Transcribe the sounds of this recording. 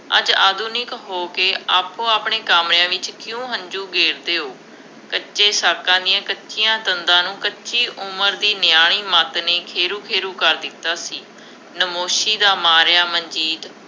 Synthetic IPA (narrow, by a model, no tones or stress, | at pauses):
ə̰d͡ʒaːd̪uːnɪkɦoːkeːaːpːõːaːpɳeːkaːmɾɪãːʋɪt͡ʃkjũːɦə̃ɲd͡ʒuːɡeːɾd̪eːɦoː | kətːʃeːsaːkãːd̪ɪjãːkətːʃʰijãːt̪ənd̪ãːnũːkətːʃʰiːʔʊməɾd̪iːnɪjaːɽ̃iːmaːt̪neːkʰeːɾuːkʰeːɾuːkəɾd̪ɪt̪ːaːsiː | nəmoːʃiːd̪aːmaːɾjaːməɲd͡ʒiːd̪